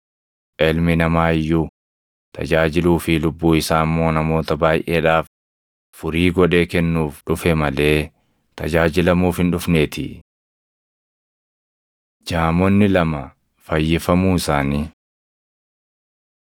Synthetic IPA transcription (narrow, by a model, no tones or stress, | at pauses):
ʔɛlmɪnɐmaːɪjːʊ | t̪ʰɐ̰d͡ʒaːd͡ʒɪluːfɪlʊbːuːɪsaːmːo̞ːnɐmo̞ːt̪ɐbaːjʔeːᶑaːf | fʊɾiːɡɔᶑe̞ːkɛnːuːfᶑʊfɛmɐle̞ː | t̪ɐd͡ʒaːd͡ʒɪlɐmuːfhɪnᶑʊfne̞ːt̪ɪ̰ | d͡ʒaːmɔnːɪlɐmɐ | fɐjːɪfɐmuːɪsaːniː